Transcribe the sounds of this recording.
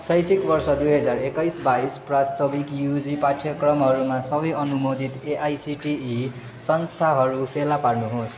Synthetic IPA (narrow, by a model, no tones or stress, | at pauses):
sʌjt͡sʰikbʌrsʌd̪ujɦʌd͡zarekʌjsbaisprast̪ʌbikjud͡zipaʈʰjʌkrʌmɦʌɾumasʌbʌjʌnumod̪ʱit̪eʔajsiʈii | sʌnst̪ʰaɦʌɾupʰelaparnuɦos